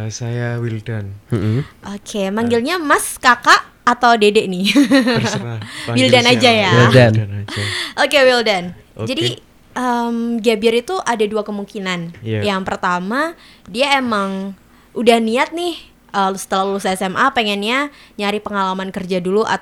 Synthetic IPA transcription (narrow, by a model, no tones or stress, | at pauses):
sajawildan | ʔokʰemaŋɡɪlɲamaskakaʔːt̪awdedenɪ | wildanad͡ʒajaildan | ʔokewildan | d͡ʒadi | ʔəmɡiabiaɾit̪uʔadaduakəmuŋkinanjaŋpərt̪ama | diaemaŋ | ʔudahniat̪̚nɪh | ʔəlusə̥t̪əlaulusɛsɛmʔapeŋɛnɲaɲaɾɪpəŋalamankərd͡ʒaduluʔa̰t